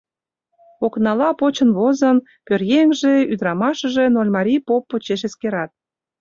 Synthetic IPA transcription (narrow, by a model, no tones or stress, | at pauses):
oknɑlɑpot͡ɕənβozən | pørjeŋʒeyd̪ɾɑmɑʃəʒenolʲmɑɾʲipopːot͡ɕeʃ̬eskeɾɑt̪̚